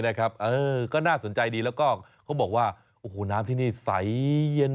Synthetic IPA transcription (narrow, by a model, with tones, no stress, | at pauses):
na˦˥˩kʰa˦˥p̚ʔɤː˧kɔː˥˩naː˥˩so˨˩˦nt͡ɕa˧jdiː˧lɛː˦˥wkɔː˥˩kʰa˦˥wbɔː˨˩k̚waː˥˩ | ʔoː˧˩ho˨˩naː˦˥mt̪ʰiː˥˩niː˥˩sa˩˦jje˧n